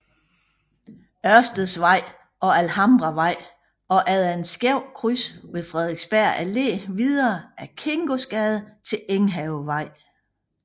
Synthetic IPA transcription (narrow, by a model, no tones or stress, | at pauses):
ɶɐsd̥əð̩ˠsʋɑ̈ɪ̰ | ɒ̽ælhɑ̈mb̥ʁɑʋɑ̈ɪ̰ | ɒ̽ʔæðˠænsɡ̥jeʊ̰kʰʁysʋe̝ðˠfʁɛð̞ˠeɡ̥sb̥æɐ̰æle̝̰ːʋið̞ˠɐːʔæɐkʰe̝ŋɡ̥o̝sɡ̥ɛð̩ˠt͡sʰe̝leŋɦɛʊʋɑ̈ɪ̰